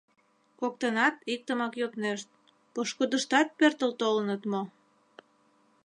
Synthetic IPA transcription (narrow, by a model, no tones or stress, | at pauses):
kok̚t̪ənɑt̪ik̚t̪əmɑkjop̪neʃt̪̚ | poʃkud̪əʃt̪ɑt̪̚pørt̪əlt̪olənət̪mo